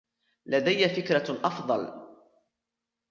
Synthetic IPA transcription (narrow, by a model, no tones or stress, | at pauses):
lad̪ajːafɪkɾaʔɑfd̪ˤɑ̰l